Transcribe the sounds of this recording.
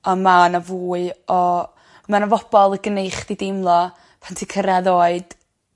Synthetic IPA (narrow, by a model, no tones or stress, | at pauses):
ɔmanavuːɨɔ | manavɔb̥ɔlˠəɡənejχd̥idɪmlˠɔ | pʰantʰikʰəɾaðoːɨd̥